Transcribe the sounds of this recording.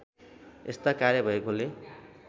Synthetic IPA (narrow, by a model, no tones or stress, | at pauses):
est̪akaɾjʌbʱʌekole